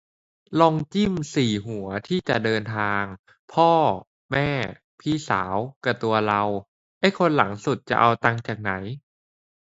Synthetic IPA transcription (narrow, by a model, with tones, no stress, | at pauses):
lɔː˧ŋt͡ɕi˥˩msiː˨˩ɦu˩˦ɐt̪ʰiː˥˩t͡ɕa˨˩ʔdɤː˧nt̪ʰaː˧ŋ | pʰɔː˥˩ | mɛː˥˩ | pʰiː˥˩sa̰ː˩˦wka˧˩t̪u˧ɐla˧w | ʔa˥˩jkʰo˧nla̰˩˦ŋsu˨˩t̪̚t͡ɕa̰˨˩ʔa˧wt̪a˧ŋt͡ɕaː˨˩k̚na˩˦j